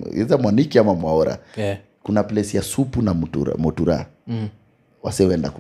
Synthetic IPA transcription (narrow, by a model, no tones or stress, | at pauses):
ɛ̰zamwanikiamamwaɔɾa̰ | kunaplɛsijasupunamtṵɾa̰mɔtuɾa̰ | wa̰siɔɛnda̰k